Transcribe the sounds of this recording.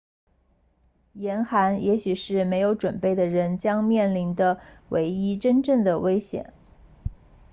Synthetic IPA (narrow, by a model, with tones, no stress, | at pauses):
jɛ˧˥nxa˧˥njʔɛ˧˥ɕy˨˩ʂɻ̩˥˩me˧˥ɪjo˧˥ʊʈ͡ʂwə˨˩npe˥˩ɪd̪ə˩ɻə˧˥nt͡ɕjɑ˥ŋmjɛ˥˩nli˧˥nd̪ə˧wʔḛ˧˥ɪi˥ʈ͡ʂə˥nʈ͡ʂə˥˩ŋd̪ə˩we˥ɪɕjɛ̰˨˩˦n